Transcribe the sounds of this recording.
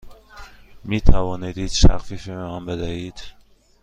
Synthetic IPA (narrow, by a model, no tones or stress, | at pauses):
miːt̪ʰævɒːnid̪iːd̪̥ʃæ̰xfiːfimeæmbed̪æhiːd̪̥